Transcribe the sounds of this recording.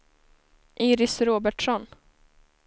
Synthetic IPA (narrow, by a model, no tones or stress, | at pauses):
ʔiːɾɪsɾoːbæʈʂɔn